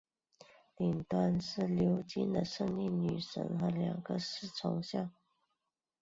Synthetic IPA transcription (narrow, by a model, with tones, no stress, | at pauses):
li˨˩nt̪wa˥nʂɻ̩˥˩ljo˧˥ʊt͡ɕi˥nd̪ə˨ʂə˥˧ŋi˥˩nny˨˩ʂə̰˧˥ŋxə˧˥ljɑ̰˨˩ŋɡə˦ʂɻ̩˥˩t͡sʰʊ˧˥ŋɕjɑ˥˩ŋ